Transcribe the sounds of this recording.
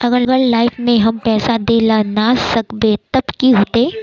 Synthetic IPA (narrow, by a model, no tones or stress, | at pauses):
ɐɡəɾɡəɾlaːɪfʰmẽɦɐmpɛːsad̪elanasɐkb̪et̪ɐbkiɦoːt̪eː